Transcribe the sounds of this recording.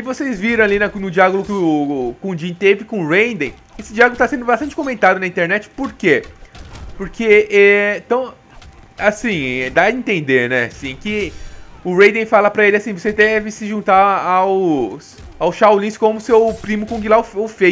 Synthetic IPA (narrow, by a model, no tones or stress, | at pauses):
ɪvosezviɾɐ̃w̃alinɐnʊd͡ʒiaɡlʊkkõd͡ʒĩt̪evɪkõɾẽj̃d̪ẽj̃ | esɪd͡ʒiaɡolʊt̪asẽnd̪ʊbast̪ɐ̃t͡ʃɪ̥kõmẽnt̪ad̪ʊnɐĩnt̪eɾnɛt͡ʃɪ̥poɾke | poɾkʰeɛ̃t̪ɐ̃w̃ | asĩd̪aĩnt̪ẽnd̪eɾnɛasĩkɪ | ʊɾẽj̃d̪ẽj̃falɐpɾɐelɪasĩvosed̪ɛvɪsɪʒũnt̪aaws | awsʃawlĩskõmʊsewpɾĩmʊkõɡilaʊfofe